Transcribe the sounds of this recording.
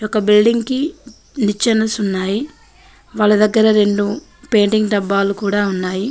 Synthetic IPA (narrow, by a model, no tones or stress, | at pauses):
jɔkɐbilɖiŋɡki | nit͡ʃːɐnɐsunːaːji | ʋaːɭːɐd̪ɐɡːɐɾɐɾe̞ɳɖu | pe̞ːɳʈiŋɡɖɐbːaːlukuːɽaːunːaːji